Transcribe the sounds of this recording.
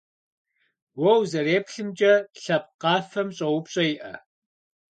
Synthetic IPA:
wɔwzɐreːpɬɨmd͡ʒʼɐɬɐp̚qɑːfɐmɕʼɐwʊpɕʼɐjɪʔɐ

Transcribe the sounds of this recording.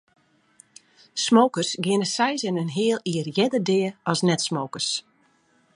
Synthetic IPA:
smowkərsɡɪnəsɛjsənənɦɪəlˠiərjɛdərdɪːəɔsnɛtsmoːkərs

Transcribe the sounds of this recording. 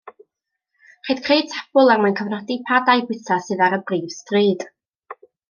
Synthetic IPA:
χed̥kʰrejd̚tʰḁb̥ʊlˠarmankʰəvnɔdipʰadajbwɪθasɨðaɾəbriːv̥striːd̥

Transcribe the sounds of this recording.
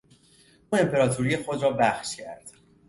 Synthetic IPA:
ʔuːe̞mpʰe̞ɾɒːt̪ʰuɾije̞xo̞d̪ɾɒːbæxʃcʰæɾd̪̥

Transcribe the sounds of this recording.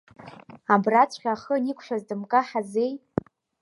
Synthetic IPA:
abrat͡sʷʰʼχʲaːχənikʷʰʼʃʷᶣazdɨmkʼaħaze̞j

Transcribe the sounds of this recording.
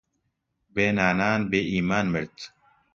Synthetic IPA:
beːnaːnaːnbeːʔiːmaːnmɨɾt̪

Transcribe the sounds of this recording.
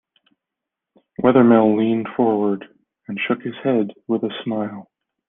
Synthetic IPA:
wʔɛðə˞mɪlˠlĩnd̥fɔɹwə˞d | ɨ̃nʃʊkhɨz̥hɛdwɪðɨsmaɪlˠ

